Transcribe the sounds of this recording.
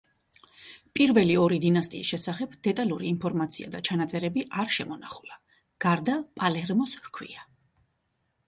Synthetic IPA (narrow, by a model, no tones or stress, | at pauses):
pʼiɾvɛliɔɾid̪inast̪ʼiːsʃɛsaχɛbd̪ɛt̪ʼaluɾiːmpʰɔɾmat̪sʰia̰d̪at͡ʃʰanat̪sʼɛɾɛbiʔaɾʃɛmɔnaχu̥la | ɡ̥aɾd̪apʼalɛɾmɔshkʰwḭa